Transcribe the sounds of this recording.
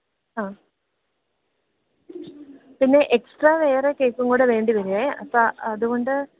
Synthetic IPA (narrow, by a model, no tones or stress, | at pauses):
aː | pinːe̞ʔeksʈraːʋe̞ːrekːeːkːuŋɡoːɽɨʋe̞ːɳɖiʋɐɾuleɐ̰pːaɐðuɣo̞ɳɖɨ